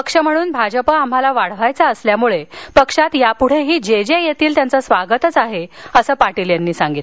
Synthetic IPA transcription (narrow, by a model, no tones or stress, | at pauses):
əkʂəm̤əɽ̃uːnbʱad͡ʑəpəam̤alaʋaɽ̤ʋajt͡saəsljamuɭepəkʂat̪japuɽ̤eɦiːd͡ʑed͡ʑejet̪iːlt̪jant͡səsʋaɡət̪ət͡saɦeəsəːpaʈiljanːiːsaŋɡit̪